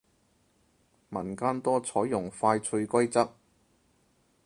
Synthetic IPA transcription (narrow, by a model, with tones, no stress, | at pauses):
mɐ˨˩nkaː˥nt̪ɔː˥t͡sʰɔː˨˥jːʊ˨˩ŋfaː˧jt͡sʰɵ˧ɥkʷɐ˥jt͡sɐ˥k̚